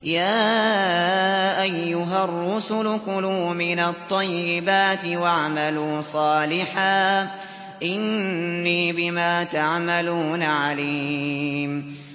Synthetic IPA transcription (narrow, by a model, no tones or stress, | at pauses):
jaː | ʔajːʊɦarːʊsʊlʊqʊlʊːmɪnat̪ˤːɑjːɪbaːt̪ɪwaʕamaluːsˤɑːlɪħaː | ʔɪnːiːbɪmaːt̪aʕmaluːnaʕali | m